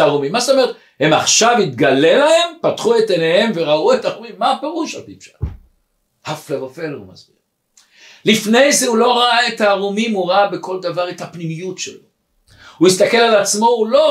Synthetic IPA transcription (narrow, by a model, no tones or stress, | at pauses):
ʁomimːazet̪o̞me̞et | he̞maχʃavhit̪ɡale̞lahe̞mpat̪χuet̪enehe̞mve̞ʁauetaʁomimːape̞ʁuʃapipʃḁt | haflevofe̞lhṵma̰zbiʁ | lifne̞jzeulo̞ʁaaet̪aːʁumimuʁabe̞ko̞ld̪avaʁet̪hapnimijutʃḛlo̞ | huist̪ake̞lalat͡smo̞ulo̞